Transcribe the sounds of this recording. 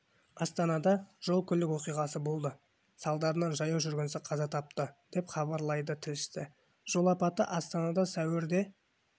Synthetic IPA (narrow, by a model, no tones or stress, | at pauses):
ɑst̪ɑnɑd̪ɑʒ̥o̞lˠkʲʰʏlɪkwo̞qijʁɑsəbo̞lˠd̪ə | sɑlˠd̪ɑɾənɑnʒɑjɑʒʏɾɡʲɪnsɪqʰɑzɑt̪ʰɑp̚t̪əd̪̥e̞pχɑβɑɾlˠɑjd̪ət̪ʰɪlɪʃt̪ɪ | ʒ̥o̞lˠɑpɑt̪ə̰ʔɑst̪ɑnɑd̪ɑsæwɪɾd̪e̞